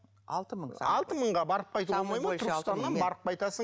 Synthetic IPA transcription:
t̪əɑlˠt̪əməɴʁɑbɑɾəp̚qʰɑjt̪əwomɑjmənʰʏɾkɪt̪ɑnd̪ɑnbɑɾəp̚qɑjt̪ɑsə

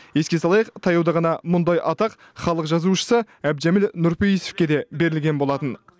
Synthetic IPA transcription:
je̞skʲe̞sɑlˠɑjəqt̪ʰɑjɑwd̪ɑʁɑnɑmʊnd̪ɑjʔɑt̪ɑq | χɑlˠəqʒɑzuʃə̥sə | æb̪d͡ʒæmilnʊɾpejise̥fkʲe̞d̪e̞be̞ɾɪlɡʲe̞nbo̞lˠɑt̪ən

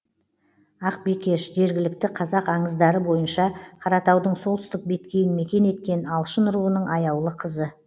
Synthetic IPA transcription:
ɑq̚bekʲe̞ʃʒe̞ɾɡʲɪlɪk̚t̪ɪqʰɑzɑqɑɴəzd̪ɑɾəbo̞jənʃɑqʰɑɾɑt̪ɑwd̪əɴso̞lˠt̪ʏst̪ɪk̚be̞t̪kʲe̞jɪnme̞kʲe̞ne̞t̪̚kʲe̞nɑlˠʃənɾuənəɴɑjɑwlˠəqʰəzə

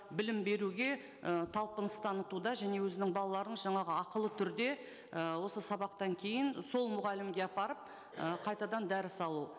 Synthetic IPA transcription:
bɪlɪmbe̞ɾuɡʲe̞ | ət̪ʰɑlˠpənəst̪ʰɑnət̪ud̪ɑʒæne̞wɵzɪnɪŋbɑlˠɑlˠɑɾənʒɑɴɑʁəɑqəlˠət̪ʰʏɾd̪e̞ | əwo̞səsɑβɑqt̪ɑŋkʲʰe̞jɪnso̞lˠmʊʁɑlɪmɡʲe̞ɑpɑɾəp̚ | əqʰɑjt̪ɑd̪ɑnd̪æɾɪsɑlˠu

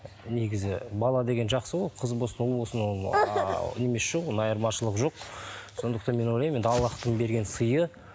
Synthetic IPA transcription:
neɡʲɪzɪbɑlˠɑd̪e̞ɡʲe̞nʒɑqsəbolqʰəzbosənolˠwo̞səno | ne̞mesʃewonɑjɑɾmɑʃəlˠəqʒo̞q̚so̞nd̪əqt̪ɑnme̞nolˠɑjmend̪ɑlˠːɑqt̪əɴbe̞ɾɡʲe̞nsəjə

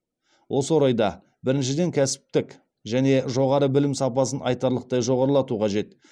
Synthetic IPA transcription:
wʔo̞səwo̞ɾɑjd̪ɑ | bɪɾɪnʃ̬ɪd̪e̞ŋkʲʰæsɪ̥p̚t̪ɪk | ʒæne̞ʒo̞ʁɑɾəbɪlɪmsɑpɑsənʔɑ̰jt̪ɑɾlˠəq̚t̪ɑjʒo̞ʁɑɾəlˠɑt̪uqʰɑʒe̞t̪

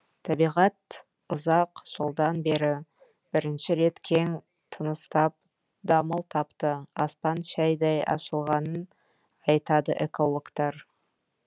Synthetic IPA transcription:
t̪ʰɑbijʁɑt̪̚ | ʊzɑqʒ̥əlˠd̪ɑnbe̞ɾɪ | b̥ɪɾɪnʃɪɾe̞t̪kʲʰeŋ | t̪ʰənəst̪ɑp̚ | d̪ɑməlˠt̪ʰɑpt̪əɑspɑnʃæjd̪ɑjʔɑ̰ʃəlˠʁɑnən | ɑjt̪ɑd̪ə̰ʔeko̞lˠokt̪ɑɾ

